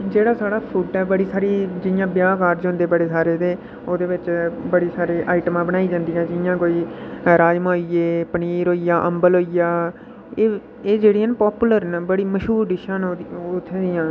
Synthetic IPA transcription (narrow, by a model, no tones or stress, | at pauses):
d͡ʒeːɽaːsaːɽaːpʰuːʈɛːbəɽiːsaːɾiːd͡ʒɪjãːbjaːkaːɾd͡ʒɦʊ̃nd̪eːbəɽeːsaːɾeːt̪eː | oːd̪eːʋɪt͡ʃbəɽiːsaːɾeːʔaːɪʈmãːbəɽ̃aːiːd͡ʒãːnd̪ijãːd͡ʒɪjãːkoːiːɾaːjmoːieːpəniːɾɦoːijaːʔəmbəlɦoːijaː | eː | eːd͡ʒeːɽiãːnpɔːpuːləɾnbəɽiːməʃɦuːɾɖɪʃaːnːot̪ʰːeːd̪ɪjãː